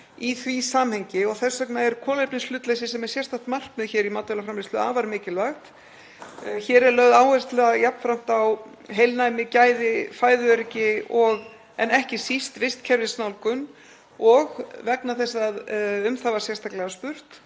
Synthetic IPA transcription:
iθvisaːmhɛɲcɪɔɣθɛsœknaɛɾkʰɔːlejp̚nɪslʏːt̪lesɪsɛmɛɾ̥sjɛst̪ʰaht̪mar̥kmɛðçɛːɾimat̪œɛlafɾamlɪst̪lʏa̰ːvaɾmɪːcɪlvaxt̪ | çɛːɾɛɾlœɣðaːwhɛrst̪lɛɣajapn̥fɾam̥t̪aw | ɦejlnajmɪcaːjðɪfaːjðʏœɾɪcɪɔɣ | ɛnɛhcɪsist̪vɪst̪cʰɛɾvɪsnawlkʏm | ɔɣvɛknaθɛsːaðʏmθavaɾ̥sjɛst̪ʰaklɛɣaspʏr̥t̪

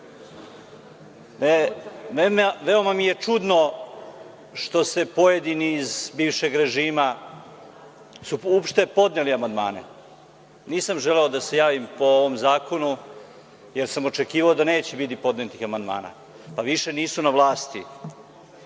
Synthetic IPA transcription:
nememʋe̞o̞mamije̞t͡ʂud̪no̞ | ʃt̪o̞se̞po̞je̞d̪iniːzbiːʋʃe̞ɡɾe̞ʒiːma | suopʃt̪e̞po̞d̪neliamand̪ma̰ːnḛ | niːsamʒeleo̞d̪ase̞jaːʋimpo̞oʋomzaːko̞nu | je̞ɾsamo̞t͡ʃe̞kiːʋaod̪ane̞ːt͡ɕɛbit̪̬ipo̞d̪net̪ixamand̪ma̰ːna̰ | paʋiʃe̞niːsunaʋlˠaːst̪i

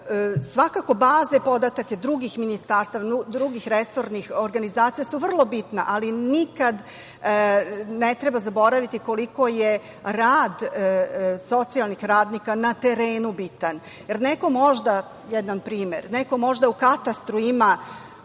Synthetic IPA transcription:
sʋakako̞baːze̞po̞d̪at̪ake̞d̪ɾuɡixminist̪aːɾst̪aːʋaud̪ɾuɡixɾeso̞ɾnixo̞ɾɡanizaːt̪sijasuʋr̩lˠo̞bit̪na̰ʔalinikad̪ | net̪ɾe̞bazabo̞ɾaʋit̪iko̞liko̞je | ɾaːd̪ | so̞t̪sialnixɾaːd̪nikanat̪e̞ɾeːnubit̪an | jeɾneko̞mo̞ʒd̪a | jɛd̪anpɾiːmḛɾneko̞mo̞ʒd̪aukat̪ast̪ɾuima

